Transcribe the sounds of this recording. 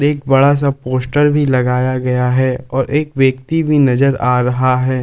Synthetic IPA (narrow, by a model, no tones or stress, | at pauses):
ɾeːk̚bɐɽas̬apoːsʈəɾbʱilɐɡaːjaɡɐjaɦɛɔːɾʔeːkʋjɐkt̪ibʱinɐzəɾaːɾɐɦaɦɛː